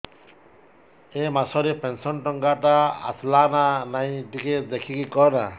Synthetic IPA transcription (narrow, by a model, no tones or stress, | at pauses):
emasɔɾepensɔnʈɔŋɡaʈaa̰slananaĩɖiked̪ekʰikikɔna